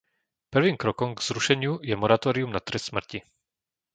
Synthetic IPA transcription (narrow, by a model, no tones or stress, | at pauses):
pr̩ʋiːmkɾɔkɔmɡz̥ɾuʃɛɲɪujɛmɔɾat̪ɔːɾiumnat̪ɾɛssmr̩ci